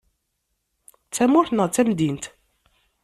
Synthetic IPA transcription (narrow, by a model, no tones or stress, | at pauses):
t͡sːæmʊθnəʁt͡sːæmd̪int̪